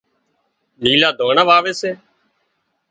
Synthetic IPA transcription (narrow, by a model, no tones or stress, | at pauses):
niːlaːd̪ʱoːɳaːʋaːʋeːseː